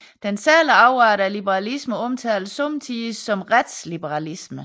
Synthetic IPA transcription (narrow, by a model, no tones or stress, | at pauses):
d̥ensæːləɑ̈ʊʁɑɾɐælib̥əʁɑ̈lisməɒ̽mt͡sʰɛ̰ːlsɔmt͡sʰiːsːɒ̽mʁad̥slib̥əʁɑlismə